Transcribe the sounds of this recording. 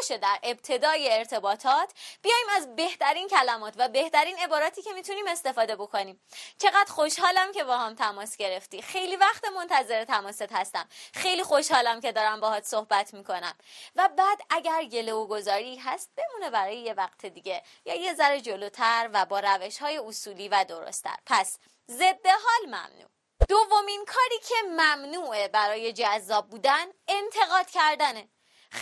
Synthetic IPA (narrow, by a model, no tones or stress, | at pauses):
ʃed̪æɾe̞b̥̚t̪ʰe̞d̪ɒːjeːɾt̪ʰe̞bɒːt̪ʰɒːt̪ʰbijɒːjiːmæzbe̞ht̪ʰæɾiːncʰælæmɒːt̪ʰvæbe̞ht̪æɾiːne̞bɒːɾɒːt̪ʰiːcʰe̞miːt̪ʰuniːme̞st̪e̞fɒːd̪e̞bo̞kʰo̞niːmt͡ʃʰe̞ɣæd̪̥xo̞ʃhɒːlæmcʰe̞bɒːhɒmt̪ʰæmɒːsɟ̥e̞ɾe̞ft̪ixe̞jlivæxt̪emo̞nt̪ʰæze̞ɾet̪ʰæmɒːset̪hæst̪æmxe̞jlixoʃhɒːlæmce̞d̪ɒːɾæmbɒhɒːt̪sohbæt̪ʰmiːkʰo̞næmvæbæːd̪ʔæɟæɾɡe̞louɡo̞zɒːɾiɦæst̪̚b̥e̞muːne̞bæɾɒːjeje̞væqt̪ʰe̞d̪iɟe̞ | jɒːjezæɾed͡ʒo̞loːt̪ʰæɾvæbɒːɾæve̞ʃhɒːjeusuːliːvæd̪o̞ɾo̰st̪ʰæ̰ɾpʰæs | ze̞d̪ːe̞ɦɒːlmæ̰mnṵː | d̪̥ovːo̞minkʰɒːɾiːcʰe̞mæmnuːʔebæɾɒːje̞d͡ʒæzːɒːb̚buːd̪ænent̪ʰe̞ɣɒːd̪̥cʰæɾd̪æne